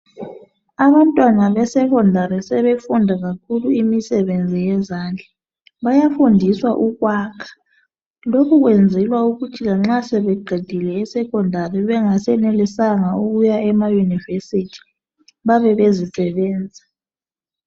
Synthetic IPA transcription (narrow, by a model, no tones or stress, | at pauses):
aβantʼwanaβɛsɛkʰɔndʱaɾisɛβefundʱaɣakʰuluimisɛβend͡zʱijɛzaːnd͡ɮʱa | βajafundʱiswa̰ʔuɣwaːkʰḁ | lokʰuɣwend͡zʱɛlwauɣutʰilaŋ͡ǁasɛβɛɡ͡ǃʱid̥ʱilɛːsɛkʰɔndʱariβɛŋasɛnelisaŋauɣujaʔɛmajunivesitʰi̥ | βaβɛβezisɛβɛːnd͡zʱa